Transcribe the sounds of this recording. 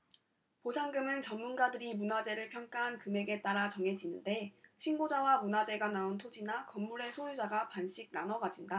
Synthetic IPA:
posʰaŋɡɯmɯnt͡ɕʌnːunɡadɯɾimunad͡ʑe̞ɾɯɭpʰjʌŋk͈aɦankɯme̞ɡe̞t͈aɾat͡ɕʌŋe̞d͡ʑinɯnde̞ɕʰinɡod͡ʑawamunad͡ʑe̞ɡanaontʰod͡ʑinakʌmːuɾe̞sʰojud͡ʑaɡapanɕ͈iɡ̚nanʌɡad͡ʑinda

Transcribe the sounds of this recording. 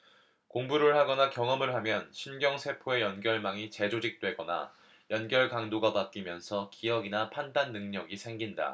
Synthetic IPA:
koŋbuɾɯɭhaɡʌnakjʌŋʌmɯɭɦamjʌnɕʰinɡjʌŋsʰe̞pʰoe̞jʌnɡjʌɭmaŋit͡ɕe̞d͡ʑod͡ʑik̚t͈we̞ɡʌna̰ | jʌnɡjʌɭkaŋdoɡapat̚k͈imjʌnsʰʌkiʌɡinapʰandanːɯŋɲʌɡisʰe̞ŋɡinda̰

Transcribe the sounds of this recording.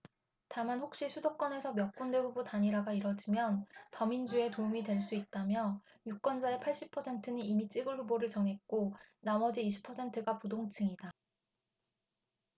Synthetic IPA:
tamanɸok̚ɕ͈isʰudok͈ʌne̞sʰʌmjʌk̚k͈undwe̞ɸubotaɲiɾaɡaiɾʌd͡ʑimjʌntʌmind͡ʑue̞toumidwe̞ɭs̬͈uit̚t͈amjʌ | juk͈wʌnd͡ʑaepʰaɭɕ͈ipʰʌsʰe̞ntʰɯninimit͡ɕ͈iɡɯɭɸuboɾɯɭt͡ɕʌŋɦe̞t̚k͈onamʌd͡ʑiːɕʰi̥pʰʌsʰe̞ntʰɯɡapudoŋt͡ɕʰɯŋida

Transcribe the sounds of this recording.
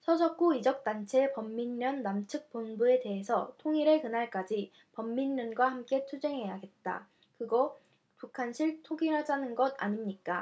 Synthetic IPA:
sʰʌd͡ʑʌk͈uid͡ʑʌk̚t͈ant͡ɕʰe̞pʌmːinːʌnːamt͡ɕʰɯk̚p͈onbue̞te̞ɦe̞sʰʌtʰoŋiɾekɯnaɭk͈ad͡ʑi | pʌmːinːʌnɡwahamk͈e̞tʰud͡ʑe̞ŋɦe̞jaɡe̞t̚t͈a̰ | kɯɡʌ | pukʰanɕʰiɭtʰoɡinɦad͡ʑanɯnɡʌda̰ɲimɲik͈a

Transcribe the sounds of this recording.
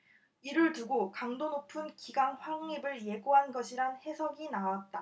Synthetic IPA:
iɾɯɭtuɡokaŋdonopʰɯnkiɡaŋɸwaŋːibɯɭje̞ɡoɦanɡʌɕʰiɾanhe̞sʰʌɡinawat̚t͈a

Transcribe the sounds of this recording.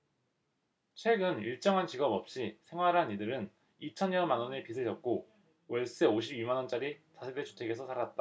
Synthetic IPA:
t͡ɕʰwe̞ɡɯniɭt͡ɕ͈ʌŋɦant͡ɕiɡʌbʌp̚ɕ͈isʰe̞ŋwaɾɦanidɯɾɯn | it͡ɕʰʌnjʌmanwʌnepisʰɯɭd͡ʑʌt̚k͈o | wʌɭs͈ɯeoɕʰibimanʌnt͡ɕ͈aɾit͡ɕasʰedet͡ɕʰu̥tʰe̞ɡe̞sʰʌsʰaɾat̚t͈a

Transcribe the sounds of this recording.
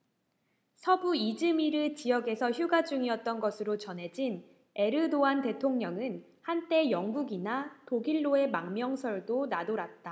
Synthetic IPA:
sʰʌbuid͡ʑɯmiɾɯt͡ɕijʌɡe̞sʰʌçjuɡad͡ʑuŋiʌt̚t͈ʌnɡʌsʰɯɾot͡ɕʌnɦe̞d͡ʑin | e̞ɾɯdoante̞tʰoŋɲʌŋɯn | hant͈e̞jʌŋɡuɡinatoɡiɭːoe̞maŋmjʌŋsʰʌɭdonadoɾat̚t͈a

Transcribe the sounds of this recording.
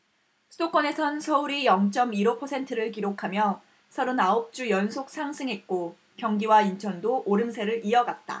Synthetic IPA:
sʰɯdok͈ʌne̞sʰʌnsʰʌuɾijʌŋt͡ɕ͈ʌmiɾopʰʌsʰe̞ntʰɯɾɯɭkiɾokʰamjʌ | sʰʌɾonaop̚t͡ɕ͈ujʌnsʰok̚s͈ʰaŋsʰɯŋɦe̞t̚k͈o | kjʌŋɡiwaint͡ɕʰʌndoʔoɾɯmsʰe̞ɾɯɾiʌɡat̚t͈a̰

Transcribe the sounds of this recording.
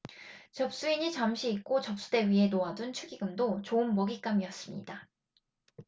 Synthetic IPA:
t͡ɕʌp̚s͈uiɲit͡ɕamɕʰiːk̚k͈ot͡ɕʌp̚s͈ude̞ɥiɦe̞noadunt͡ɕʰuɡiɡɯmdot͡ɕoɯnmʌɡik͈amiʌs͈ɯmɲḭda

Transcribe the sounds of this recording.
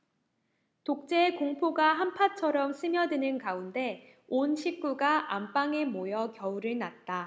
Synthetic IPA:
tok̚t͡ɕ͈e̞koŋpʰoɡaɦampʰat͡ɕʰʌɾʌms͈ʰɯmjʌdɯnɯnkaunde̞ | onɕʰik͈uɡaʔamp͈aŋe̞mojʌkjʌuɾɯɭnat̚t͈a

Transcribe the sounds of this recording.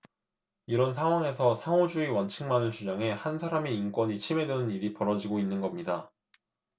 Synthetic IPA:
iɾʌnsʰaŋɦwaŋe̞sʰʌsʰaŋod͡ʑuiwʌnt͡ɕʰɯŋmanɯɭt͡ɕud͡ʑaŋɦe̞hansʰaɾamiːnk͈wʌɲit͡ɕʰime̞dwenɯniɾipʌɾʌd͡ʑiɡoinːɯnɡʌmɲida

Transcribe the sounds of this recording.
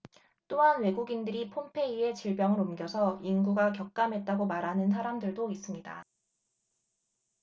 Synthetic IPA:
t͈oɦanwe̞ɡuɡindɯɾipʰompʰe̞ie̞t͡ɕiɭbjʌŋɯɾomɡjʌsʰʌinɡuɡak̬jʌk̚k͈amɦe̞t̚t͈aɡomaɾɦanɯns̬ʰaɾamdɯɭdois͈ɯmɲida̰

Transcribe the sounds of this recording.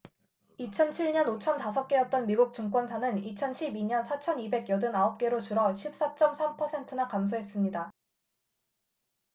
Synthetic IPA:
it͡ɕʰʌnt͡ɕʰiɭɲʌnot͡ɕʰʌntasʰʌp̚k͈e̞jʌt̚t͈ʌnmiɡuk̚t͡ɕ͈uŋk͈wʌnsʰanɯnit͡ɕʰʌnɕʰibiɲʌnsʰat͡ɕʰʌnibe̞ɡjʌdɯnaʌp̚k͈e̞ɾot͡ɕuɾʌɕʰip̚s͈at͡ɕ͈ʌmsʰampʰʌsʰe̞ntʰɯnakams̬ʰoɦe̞s͈ɯmɲida

